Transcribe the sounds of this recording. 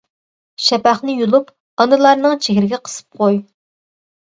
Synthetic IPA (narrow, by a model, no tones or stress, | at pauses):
ʃɛpæχnɪjulˠup | ɑnɨlˠɑɾnɨŋt͡ʃʰeɡʲɪɾɪɡʲɛqʰə̥sɨ̥p̚qʰoj